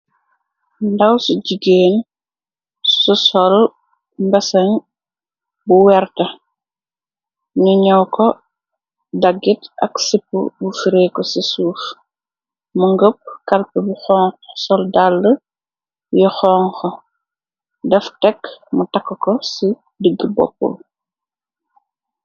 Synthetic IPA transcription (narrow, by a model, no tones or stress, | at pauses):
ndawsuɟiɡeːn | susɔl | mbɐsɐɲ | buwɛrtɐ | nuɲɔwkɔ | daɡːitɐ̰ksipːṵbufiɾeːkɔsisuːf | muŋɡəp̚kalpəbuxɔŋsɔldalːə | jɔxɔːŋxɔ | dɛftɛkmutakːkɔsi | dəɡːəbɔ̰pːɔ̰l